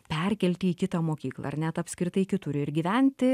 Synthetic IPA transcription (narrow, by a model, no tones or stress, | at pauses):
pʲɛɾʲkʲɛlʲt̪ʲɪiːkʲɪt̪ɑːmoːkʲiːklˠɐ̰ɐrnʲɛt̪ɐpʲsʲkɾʲɪt̪ɐɪkʲɪt̪ʊɾʲʊɪɾɡʲiːʋʲænʲt̪ʲɪ